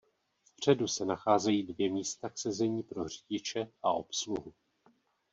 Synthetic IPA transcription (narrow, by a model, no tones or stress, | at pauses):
fpr̝̥ɛdusɛnaxaːzɛjiːdvjɛmiːst̪aksɛzɛɲiːpɾo̞riɟɪt͡ʃɛʔaʔo̞̰psluɦu